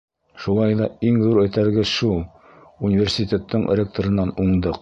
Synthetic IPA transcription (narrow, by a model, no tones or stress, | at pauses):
ʃulˠɑjðɑiŋðuɾɵ̆jt̪æɾɡɘʃulˠ | unʲivʲersʲit̪ʲet̪ʰːɤɴrʲek̚t̪oɾɤ̆nːɑnuɴd̪ɤq